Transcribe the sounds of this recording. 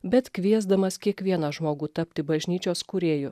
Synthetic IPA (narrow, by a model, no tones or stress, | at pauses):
bʲɛt̪kʋʲiɛzd̪ɐmɐskʲiɛkʋʲiɛnɐʒmoːɡuːt̪ɐpʲt̪ʲɪbɐʒʲnʲiːt͡ʃʲoːskʊɾʲeːjʊ